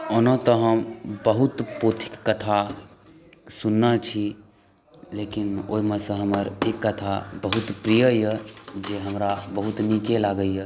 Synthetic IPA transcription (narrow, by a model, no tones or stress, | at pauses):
onət̪ɔɦəmbəɦut̪pot̪ʰi̥kːət̪ʰa | sunːət͡ʃʰi | lekino̰ːimẽsə̃ɦəməɾekːət̪ʰabəɦut̪pɾijəjəd͡ʒeɦəmɾabəɦut̪nikelaɡəjə